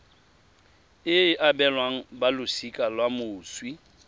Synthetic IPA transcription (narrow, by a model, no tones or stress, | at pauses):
ɪɪʔabɛlwaŋ̩balʊsikʼalwamʊːswi